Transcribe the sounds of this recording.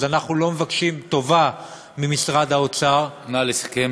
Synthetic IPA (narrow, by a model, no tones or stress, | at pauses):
zanaχnulo̞me̞vakʃimt̪o̞va | mimisʁad̪haot͡saʁnalesḁke